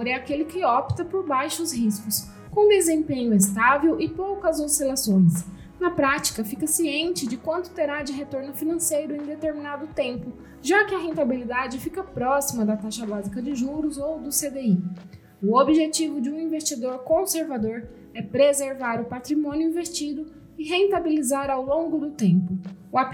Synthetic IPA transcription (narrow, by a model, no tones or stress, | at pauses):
oɾɛakelɪkɪɔpt̪ɐpoɾbajʃʊsɦiskʊs | kõd̪ezẽmpẽɲʊest̪avewɪpowkɐzowsilasõj̃s | nɐpɾat͡ʃi̥kɐfikɐsiẽnt͡ʃɪd͡ʒɪkwɐ̃nt̪ʊ̥t̪eɾad͡ʒɪɦet̪oɾnʊfinɐ̃sejɾʊẽj̃d̪et̪eɾminad̪ʊt̪ẽmpʊ | ʒakɪɐɦẽnt̪abilid̪ad͡ʒɪfikɐpɾɔsimɐd̪ɐt̪aʃɐbazikɐd͡ʒɪʒuɾʊzowd̪ʊsed̪ei | ʊobiʒet͡ʃivʊd͡ʒɪũĩvest͡ʃid̪oɾkõseɾvad̪oɾ | ɛpɾezeɾvaɾʊpat̪ɾimõnjʊĩvest͡ʃid̪ʊ | ɪɦẽnt̪abilizaɾawlõɡʊd̪ʊt̪ẽmpʊa